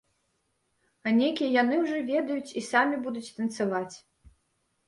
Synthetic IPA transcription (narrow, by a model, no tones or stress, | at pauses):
ɐnʲejkʲijɛjanɨwʐɨvʲɛd̪ɐjut͡sʲisamʲibud̪ut͡sʲt̪ɐnt̪savat͡sʲ